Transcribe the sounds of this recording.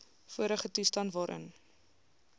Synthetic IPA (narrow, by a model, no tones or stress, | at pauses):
fuəɾəχətustɐntvɑːɾʔə̰n